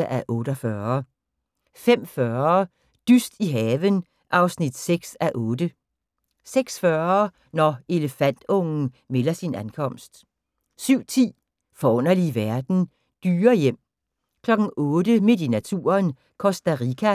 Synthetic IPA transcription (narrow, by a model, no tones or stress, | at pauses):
ʔæʔɔ̽ːɾ̥ɒfɶː | fem̰fɶɐ | d̥ysd̥iɦɛːʋən | ʔɑ̈ʊsnid̥seɡ̥sæʔɔ̽ːd̥ə | seɡ̥sfɶɐ | nɒe̝ləfæn̰d̥ɔ̽ŋn̩ | melɐsinænkʰɒ̽m̰sd̥ | syʊ̰t͡sʰḭː | fɒɔn̰ɐliʋæɐd̥n̩ | d̥yːɐjem̰ | kʰlɒ̽ɡ̥n̩ɔ̽ːdəme̝dinæt͡sʰṵːɐn | kʰɒ̽sd̥æʁikʰæ